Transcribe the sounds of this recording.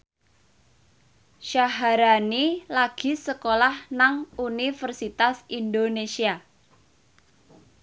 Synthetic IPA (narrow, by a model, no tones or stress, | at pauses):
ʃaɦaɾanilaɡ̥i̤səkolahnaŋunifərsit̪asindonesia